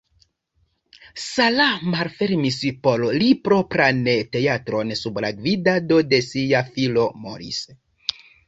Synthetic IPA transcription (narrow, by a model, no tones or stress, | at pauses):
salamalfeɾmispololipɾo̞pɾanete̞atɾo̞nsublaɡvidado̞de̞siafilo̞mo̰ɾḭs